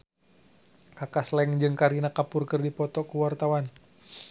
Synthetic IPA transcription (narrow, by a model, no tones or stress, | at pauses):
kakaslɛŋd͡ʒɨŋkaɾinakapurkɨrdipɔt̪ɔkuwart̪awan